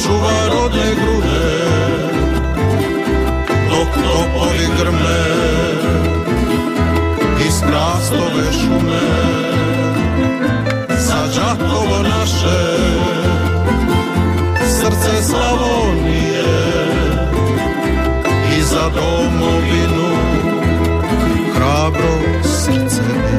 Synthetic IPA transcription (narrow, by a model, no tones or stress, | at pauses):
t͡ʃuʋaɾod̪nɛɡɾud̪ɛ | nok̪okoviɡr̩mɛ | ist̪ɾaːstloʋɛʃumɛ | zad͡ʒat̪oʋonaʃɛ | sr̩t̪sɛslalo | nijɛ | izad̪o | moʋinu | xɾaːbɾo | sr̩t̪sɛ